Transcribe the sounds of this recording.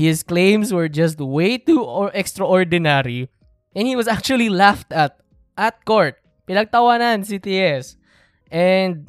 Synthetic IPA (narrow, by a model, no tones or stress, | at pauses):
hɪsklẽjmswɛɹd͡ʒɐst̪̚wejt̪uʔɛkst̪ɹɐʔɔɹd̪ɪnaɹi | ʔɛ̃nhiwɐsak̚t͡ʃuɐlilaft̪ɐt̪̚ | ʔɐt̪̚koɹt̪̚ | pɪnɐɡ̚t̪ɐwanans̬it̪iʔɛs | ʔɛnd̪̚